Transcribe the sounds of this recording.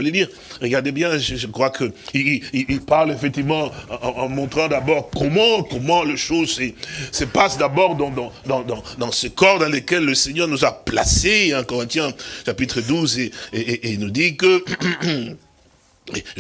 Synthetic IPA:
leliʁ | ʁəɡaʁd̪ebjɛ̃ʒəʒəkχwakʰəiiililpaʁlefɛk̚t̪ivmɑ̃ɑ̃ːmɔ̃t̪χɑ̃d̪abɔʁkɔmɑ̃kɔmɑ̃leʃozsəsəpasd̪abɔʁd̪ɑ̃d̪ɑ̃d̪ɑ̃d̪ɑ̃d̪ɑ̃sekɔʁd̪ɑ̃lekɛlːəsɛɲœʁnuzapla̰seɛ̃kɔʁɛ̃t̪jɛ̃ʃapit̪χəd̪uzeeeʔenud̪ikə

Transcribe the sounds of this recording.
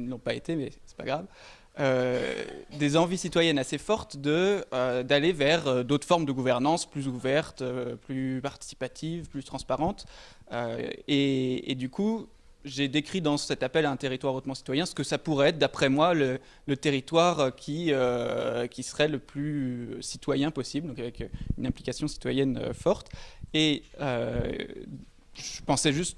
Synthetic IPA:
nɔ̃paet̪emɛsɛ̥pa̰ɡʁav | ø | d̪ezɑ̃visit̪wajɛnasefɔʁt̪d̪əød̪alevɛʁød̪ot̪χfɔʁmd̪əɡuvɛʁnɑ̃splyzuvɛʁt̪øplypaʁt̪i̥si̥pat̪ʰivplyt̪χɑ̃spaʁɑ̃t̪ | ø̰eḛd̪yku | ʒed̪ekχid̪ɑ̃sɛt̪apɛlaɛ̃t̪eʁit̪waʁot̪mɑ̃si̥t̪wajɛ̃sə̥kəsapuʁɛɛt̪χd̪apχɛmwalə | lət̪eʁit̪waʁøkʲʰiøkʲisəʁɛləplysit̪wajɛ̃pɔsibld̪ɔ̃kavɛkynɛ̃plikasjɔ̃si̥t̪wajɛnø̰fɔʁt̪eø | ʒəpɑ̃sɛʒyst̪

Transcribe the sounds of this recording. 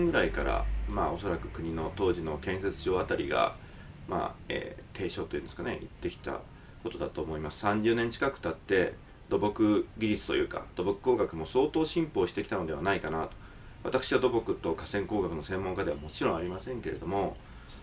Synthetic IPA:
ŋɡɯɾaikaɾa̰maːo̞so̞ɾakɯ̟kɯ̟ɲ̟ino̞t̪o̞ːʑino̞kẽ̞se̞t͡sɨʑo̞ːat̪aɾʲḭɡa̰ | ma̰ːḛːt̪ʰe̞ːɕo̞ːt̪o̞jiɯ̟nd̪eskane̞̰ʔḭt̪ːe̞kʲi̥t̪a̰ | ko̞t̪o̞d̪at̪oːmoimasɨ̥sãɲ̟d͡ʑɨːnẽ̞ɲ̟t͡ɕi̥kakɯ̟̥t̪at̪ːe̞ | d̪o̞bo̞kɯ̟ɡʲiɾʲisɨ̥t̪o̞̰jɯ̟̰ːka̰d̪̥o̞bo̞kɯ̟̥ko̞ːɡakɯ̟mo̞so̞ːt̪o̞ːɕĩmpo̞ːɕi̥t̪e̞kʲi̥t̪ano̞d̪e̞anaikanat̪o̥ | βa̰t̪akɯ̥ɕiβad̪o̞bo̞kɯ̟t̪ːo̞kasẽ̞ŋko̞ːɡakɯ̟no̞sẽ̞mːõ̞ŋkad̪e̞βamo̞t͡ɕiɾõ̞aɾʲimasẽ̞ŋke̞ɾe̞d̪o̞mo̞

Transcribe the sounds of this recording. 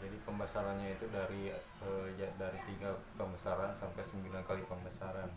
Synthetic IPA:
d͡ʒadipəmbasaɾanɲait̪udaɾi | əd͡ʒadaɾit̪iɡapəmbəsaɾansampajsəmbilankalipəmbasaɾan

